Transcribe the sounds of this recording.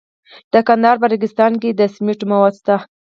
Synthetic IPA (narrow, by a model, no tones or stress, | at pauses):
d̪̥əkand̪ɑɾp̬əɾɪɡɪst̪ɑnked̪əsmiʈomawɑd̪st̪a